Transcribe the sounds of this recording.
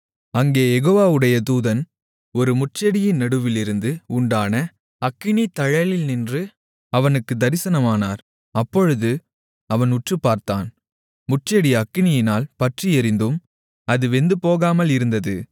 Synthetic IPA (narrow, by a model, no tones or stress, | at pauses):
ɐŋɡeːjɛɣoːʋaːʋɯɽɐjɐt̪uːðɐn | ɔɾɯmʊʈt͡ʃɐɽɪjɪnnɐɽɯʋɪlɪɾɯnd̪ɯʊɳɖaːnɐ | ɐkːɪnit̪ɐɻɐlɪlnɪndrɯ | ɐʋɐnɯkːɯd̪ɐɾɪsɐnɐmaːnaːɾ | ɐpːɔɻɯðɯ | ɐʋɐnʊʈrɯpːaːɾt̪aːn | mʊʈt͡ʃːɐɽiɐkːɪnɪjɪnaːlpɐʈriɛɾɪnd̪ɯm | ɐðɯʋɛnd̪ɯpoːɣaːmɐlɪɾɯnd̪ɐðɯ